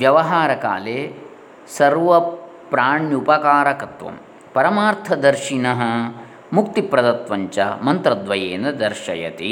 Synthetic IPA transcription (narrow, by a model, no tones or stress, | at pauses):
ʋjɐʋɐɦaːɾɐka̰ːleː | sɐɾʋɐ | pɾaːɳjupɐkaːɾɐkɐt̪ʋɐ̰m | pɐɾɐmaːɾt̪ʰɐd̪ɐɾʃinɐɦɐ | mukt̪ipɾɐd̪ɐt̪ʋɐɲt͡ʃɐ̰mɐnt̪ɾɐd̪ʋɐjeːnɐd̪ɐɾʃɐ̰jɐ̰t̪ḭ